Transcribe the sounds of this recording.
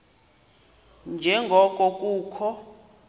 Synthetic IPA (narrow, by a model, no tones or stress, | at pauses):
nd͡ʒʱɛŋɡʱɔkʼɔkʼuːkʰɔ